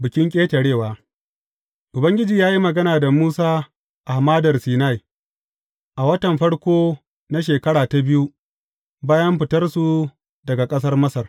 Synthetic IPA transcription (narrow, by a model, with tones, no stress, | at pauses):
bɪ˨kʲɪ˦ŋkʲʼeː˦tɐ˨ɽeː˦˨waː˨˦ | ʔʊ˨bɐ˦ŋɡʲɪ˦d͡ʒiː˨jaː˦ji˦mɐ˨ɡɐ˦naː˨da˨muː˦saː˦ | ʔa˨hmaː˦dɐ˨rsiː˨na˦˨j | ʔa˨wɐ˦tɐ˨mɸɐ˦ɽkʷoː˦ | na˦ʃ̬eː˨kɐ˦ɽaː˨ta˨bɪ˦ju˦ | baː˦jɐ˦mɸɪ˨tɐ˦rsu˨ | dɐ˨ɡa˨kʼɐ˦s̬ɐ˦rmɐ˦sɐ˨r